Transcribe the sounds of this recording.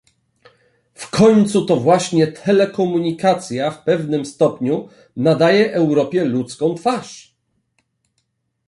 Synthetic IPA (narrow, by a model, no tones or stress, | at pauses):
fkʰɔɲt̪sut̪ɔvwaɕɲɛt̪ʰɛlɛkɔmuɲikat̪sʲjafpɛvnɘmst̪ɔpɲu | nad̪ajɛʔɛwɾɔpʲjɛlut̪skɔ̃w̃t̪faʂ